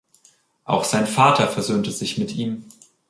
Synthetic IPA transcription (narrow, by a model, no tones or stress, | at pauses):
ʔa̰ʊxz̥aɪnfaːtʰɐfɛɐzøːntəzɪçmɪtiːm